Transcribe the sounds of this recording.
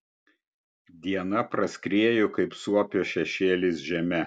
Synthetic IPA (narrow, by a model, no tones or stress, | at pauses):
d̪ʲiɛnɐpɾɐsʲkɾʲeːjʊkɐɪpsuɔpʲoːʃʲɛʃʲeːlʲɪs̬ʒʲɛmʲɛ